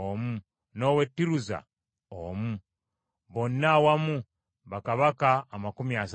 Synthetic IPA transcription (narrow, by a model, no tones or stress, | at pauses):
omu | no̞we̞tːiɾuza̰ | omu | βo̞nːawamu | βakaβakaːmakumias